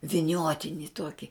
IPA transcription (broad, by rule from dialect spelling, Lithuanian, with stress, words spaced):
ʋʲɪˈnʲoːtʲɪnʲɪ ˈtuɔkʲɪ